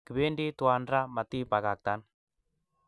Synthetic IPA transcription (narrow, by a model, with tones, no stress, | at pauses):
ki˨be˦ndi˦twa˨nɾa˦ma˨t̪i˦pa˨ka˨k̚t̪a˦n